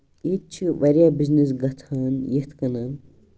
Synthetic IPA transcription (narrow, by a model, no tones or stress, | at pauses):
it̪̚t͡ʃʰiʋɐɾʲjabiznis̬ɡɐt̪ʰaːnjet̪ʰkɐnan